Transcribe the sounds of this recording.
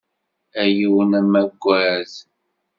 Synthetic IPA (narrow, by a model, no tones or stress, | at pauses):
æjiwənæmæɡʷːæz